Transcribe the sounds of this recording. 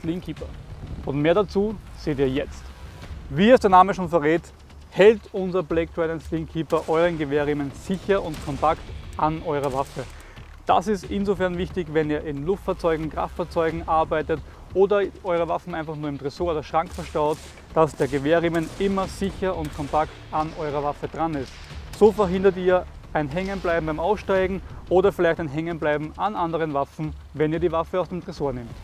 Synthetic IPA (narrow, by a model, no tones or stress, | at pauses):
liŋkʰiːpɐʊntmeːɐdat͡suːz̥eːtiːɐjɛt͡stviːɛsd̥eːɐnaːməʃoːnfɛɐʁeːt | hɛltʊnzɐbleɪk̚tɹɛdɛnslɪnkʰiːpɐʔɔʏʁənɡəveːɐʁɪmənz̥ɪçɐʔʊntkʰɔmpʰaktanʔɔʏʁəvafə | d̥a̰sɪstɪnzofɛɐnvɪçtɪçvɛniːɐʔɪnlʊftfaɐt͡sɔʏɡŋ̩kʁ̥a̰ftfaːɐt͡sɔʏɡŋ̩ʔaɐbaɪtət | ʔoːdɐʔɔʏʁ̞əvafn̩ʔæɪnfaχnuːɐɪmtʁɛsoːɐdɐʃʁ̥aŋkfɛɐʃtaʊt | d̥asd̥eːɐɡəveːɐʁɪmənʔɪmɐz̥ɪçɐʊntkʰɔmpaktanʔɔʏʁ̞ɐvafəd̥ʁanɪstsoːfɛɐɦɪndɐtiːɐ | ʔæɪnɦɛŋənblaɪbm̩baɪmaʊsʃtaɪɡŋ̩ʔoːdɐfɪlæɪçtæɪnɦɛŋənblaɪbm̩anʔandəʁənvafn̩ | vɛniːɐdiːvafəaʊsd̥eːmtʁɛsoːɐnɪmt